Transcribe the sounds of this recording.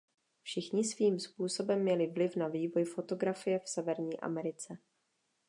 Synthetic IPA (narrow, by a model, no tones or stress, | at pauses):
fʃɪxɲɪsviːmspuːso̞bɛmːɲɛlɪvlɪfnaviːvo̞jfo̞t̪o̞ɡɾafɪjɛfsɛvɛɾɲiːʔa̰mɛɾɪt͡sɛ